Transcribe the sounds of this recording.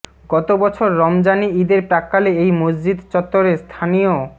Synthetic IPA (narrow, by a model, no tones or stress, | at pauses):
ɡɔt̪obɔt͡ɕʰoɾːɔmd͡ʑaniid̪eɾpɾakːaleejmod͡ʑd͡ʑid̪t͡ɕɔt̪ːoɾeɾst̪ʰanijo